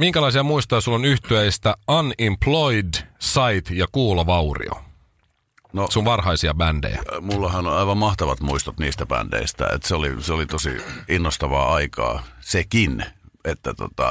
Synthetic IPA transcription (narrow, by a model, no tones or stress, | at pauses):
miŋkælɑisiɑmuist̪ojɑsulːonyht̪yæist̪æɑnimploidsɑjt̪jɑkuːloʋɑurḭo̰ | nosuʋʋɑrhɑisiɑbændḛjæ̰mulːɑhɑnonɑiʋɑmmɑht̪ɑʋɑt̪muist̪ot̪niːst̪æpæ̰nd̥ḛist̪æ̰ḛt̪seoliseolit̪osḭinːost̪ɑʋɑːɑikɑ̰ːsekinet̪ːæt̪ot̪ɑ̰